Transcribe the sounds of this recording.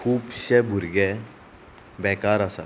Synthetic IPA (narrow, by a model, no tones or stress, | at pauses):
kʰuːbɕɛbʱuɾɡɛ | bɛkaɾasa̰